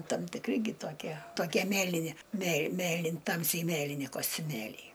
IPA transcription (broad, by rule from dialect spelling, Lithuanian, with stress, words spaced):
tɐm tʲɪkˈrʲɪ ɡʲɪ toːˈkʲiɛ toːˈkʲiɛ ˈmʲeːlʲɪnʲɪ mʲeːlˠ ˈmʲeːlʲɪn ˈtɐmʲsʲɛɪ ˈmʲeːlʲɪnʲɪ koːsʲtʲʊˈmʲeːlʲɛɪ